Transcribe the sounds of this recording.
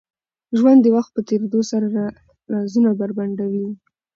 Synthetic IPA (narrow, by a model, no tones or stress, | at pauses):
ʒwand̪ːəwaxt̪̚pət̪eɾd̪osaɾaɾa | ɾɑzunabaɾbaɳɖawi